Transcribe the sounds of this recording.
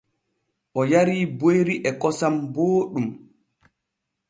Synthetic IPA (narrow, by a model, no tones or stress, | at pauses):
ʔɔjaɾiːbojɾiʔɛkɔsamboːɗum